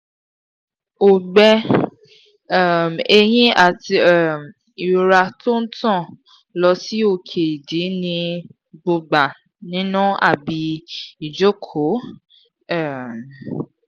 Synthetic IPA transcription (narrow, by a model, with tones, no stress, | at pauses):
o˨ɡ͡bɛ˧ | ɛ˦˨me˧j̃ĩ˦a˨ti˧˦˨m˨ | i˨ɾa˧to˦n̩˦tɔ̃˦˨ | lɔ˧si˦o˦˨kʰe˨i˨di˨˦nĩ˧ | ɡ͡bo˧ɡ͡ba˨ | nĩ˦nũ˦a˦˨bi˧i˨d͡ʒo˦kʰo˨˦ | ɛ˦˨m